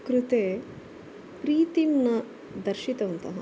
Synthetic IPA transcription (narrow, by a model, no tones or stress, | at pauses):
kɾut̪eː | pɾiːt̪imnɐ | d̪ɐɾʃit̪ɐʋɐnt̪ɐɦɐ